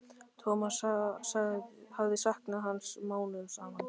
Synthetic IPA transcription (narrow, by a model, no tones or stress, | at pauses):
t̪ʰɔːmasasaɣhavðɪsahknaɦansmaːwnʏðsaːman